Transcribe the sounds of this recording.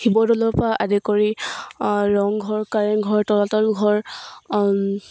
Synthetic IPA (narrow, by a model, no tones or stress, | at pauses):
hibɔdɔlɔpaʔadɛkɔɹi | ɹɔŋɡʱɔɹkaɹɛnɡʱɔɹtɔlatɔlɡʱɔɹ